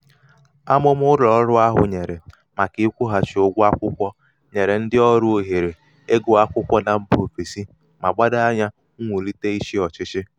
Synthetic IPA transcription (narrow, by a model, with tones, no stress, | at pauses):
a˦mʊ˦mʊ˦ɾɔ˨˦ɾʊ˦a˦ɦʊ̰˨ɲe˨ɾe˨ | ma˨kɪ˦kʷʊ˦ɦa˨t͡ʃɪ˨o˦ɡʷa˦kʷʊ˦kʷɔ˦ | ɲe˨ɾe˨n̩˦dɪ˦ɔ˦ɾʊ˦o˨ɦe˨ɾe˨ | e˦ɡo˨a˦kʷʊ˦kʷɔ˦na˨m̩˦bo˨fe˨si˦ | ma˨ɡ͡ba˦da˦a˦ɲa˦ | ŋʷu˨li˦te˦i˦ʃi˦ɔ˨t͡ʃɪ˦t͡ʃɪ˦